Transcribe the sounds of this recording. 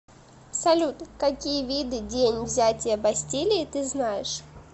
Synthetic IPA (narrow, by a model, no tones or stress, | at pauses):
sɐlʲut̪kɐkʲijəvʲid̪ɨdʲenʲvzʲætʲɪjəbɐsʲtʲilʲɪːt̪ɨznajɪʂ